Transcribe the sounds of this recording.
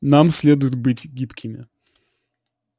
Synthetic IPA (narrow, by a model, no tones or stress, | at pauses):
namsʲlʲed̪ʊjʊt̪̚bɨtʲɡʲipkʲʰɪmʲɪ̰